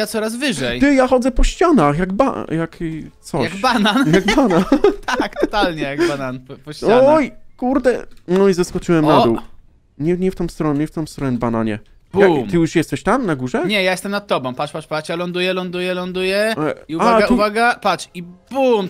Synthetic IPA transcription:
jat̪sɔɾazvɘʐɛjt̪ɘjaxɔd̪zɛpɔɕt͡ɕanaxjaɡba̰jakt̪sɔjaɡbananjaɡbanat̪akt̪ɔt̪alɲɛjaɡbananpɔɕt͡ɕaɔjkuɾd̪ɛɔizaskɔt͡ʂɨwɛmnad̪uw | ɲɛɲɛft̪ɔ̃w̃st̪ɾɔnɲɛft̪ɔ̃w̃st̪ɾɔnɛbana̰ɲɛ | bakmɨjuʂjɛst̪ɛɕt̪amnaɡuʐɛɲɛjajɛst̪ɛmnat̪t̪ːɔbɔ̃w̃paʂpaʂpat͡ʂjalɔnd̪ujɛlɔnd̪ujɛlɔnd̪ujɛiuaaɡauvaɡapat͡ʂibum

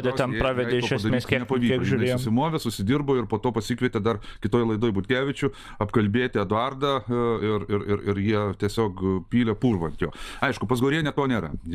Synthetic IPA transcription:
d̪ʲɛt̪ʲɛnpɾɑːʋʲɛɐeɪkːʃɛɐsd̪ɐɾmʲeːsʲiɛnʲɛpɐiːkʲiɛoʒʊnʲɛeɛːsʊsʲɪmoːʋʲesʊsʲɪd̪ʲiːrboːɪrpoːt̪oːpɐsʲiːkʋʲɛt̪ʲed̪ɐrkʲɪt̪oːjlˠɐɪd̪oːjbʊt̪ʲkʲæːʋʲɪt͡ʃʲʊ | ɐpkɐlʲbʲeːt̪ʲɪɛd̪ʊɐrd̪ɐɪrɪɾɪɾɪɾjiɛt̪ʲiɛsʲoːkpʲiːlʲɛpuːrʋɐnʲt̪joːɐɪʃkʊpɐs̬ɡoːɾʲeːnʲɛt̪oːnʲeːɾɐ̰

